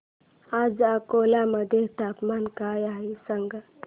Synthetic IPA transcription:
ad͡zakolaməd̪ʱjet̪apmankajaɦesəŋɡa

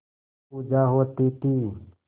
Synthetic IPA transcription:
puːd͡ʒaːɦoːt̪it̪iː

